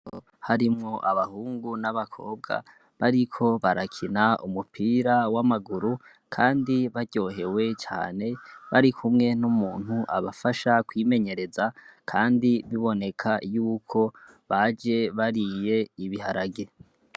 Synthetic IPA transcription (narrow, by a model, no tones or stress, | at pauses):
o | haɾimŋo̞ʔaβahuːŋɡunaβakʰo̞̰ːb̚ɡa̰ | βaɾikʰo̞βaɾakʰinaumupʰiːɾawamaɡuɾu | kʰaːndiβaɟ̥o̞ːɦe̞we̞t͡ʃa̰ːne̞βaɾikʰumŋe̞numuːn̥huʔa̰βafaʃakwiːme̞ɲe̞ɾe̞zakʰaːndiβiβo̞ne̞kʰajuːkʰo̞ | βad͡ʒe̞βaɾije̞iβihaɾaɡe